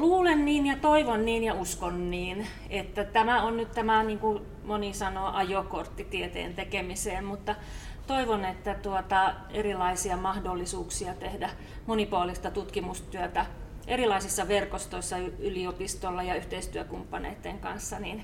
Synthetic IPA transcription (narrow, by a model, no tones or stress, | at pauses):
luːlenːiːnjɑt̪oiʋonːiːnjɑuskonːiːn | et̪ːæt̪æmæonnyt̪t̪æmæniːŋku | monisɑnoːʔɑjokort̪ːit̪iet̪ḛːnt̪ekemiseːmmut̪ːɑ | t̪oiʋonet̪ːæt̪uot̪ɑ | erilɑisiɑmɑhdolːisuːksiɑt̪ehdæ | monipuoːlist̪ɑt̪ut̪kimust̪yøt̪æʔerilɑisisːɑʋerkost̪oisːɑyyliopist̪olːɑjɑyht̪eist̪yøkumpːɑnḛit̪ːeŋkɑnsːɑnin